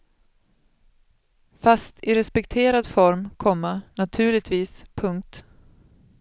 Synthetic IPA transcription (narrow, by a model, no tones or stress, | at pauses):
fast̪ʰɪɾɛspɛkt̪ʰeːɾad̪fɔɾmkʰɔmːanat̪ʰʉ̟ːɭɪt̪viːspʰɵŋk̚t̪